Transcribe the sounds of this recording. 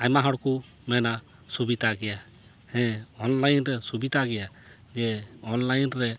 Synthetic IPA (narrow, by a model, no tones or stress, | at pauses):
ajmaɦɔɽku | mɛna | subit̪aɡɛja | hɛ̃ɔnlajnɾɛsubit̪aɡɛja | d͡ʒɛɔnlajnɾɛ